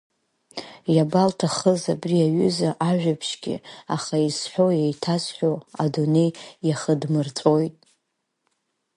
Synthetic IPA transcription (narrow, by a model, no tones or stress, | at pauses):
jabaltʰaχəzabriaɥʏzaʔaʒᶣapʰʃɡʲɪ̰aχaisħʷᶣo̞jejtʰasħʷᶣoadone̞jjaχədmɨrt͡sʼo̞jtʼ